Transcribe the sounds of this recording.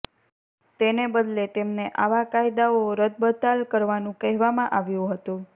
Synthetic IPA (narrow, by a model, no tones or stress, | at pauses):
t̪enebəd̪let̪emneʔaʋakaid̪aoɾət̪̚bət̪alkəɾʋanũkɛɦʋamãʔaʋjũɦət̪ũ